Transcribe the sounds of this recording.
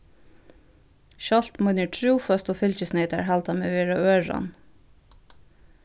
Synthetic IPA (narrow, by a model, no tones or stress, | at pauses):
ʃɑlt̪mʊnəʈʰɹuːfœst̪oːfʏlçəsneɪt̪əɹhæːlt̪ʰɑːmḛːʋeːɹɑøːɹɑ̰n